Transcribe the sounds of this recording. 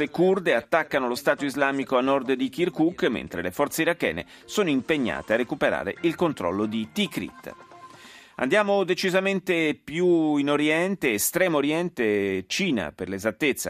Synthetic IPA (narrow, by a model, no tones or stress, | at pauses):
ekurd̪eat̪ːakːanolost̪aːt̪oizlaːmikoanːɔrd̪d̪ik̟irkukːmḛnt̪ɾelefɔrt̪seiɾakːɛ̰ːnḛ | soːnoimpeɲːa̰ːt̪earːekupeɾa̰ːɾḛilkont̪ɾɔ̰lːod̪it̪ikɾḭt̪ː | a̰nd̪jaːmod̪et͡ʃizament̪epjuinoɾjɛnt̪eːst̪ɾɛːmooɾjɛnt̪et͡ʃiːna̰perlezat̪ːet̪sːa̰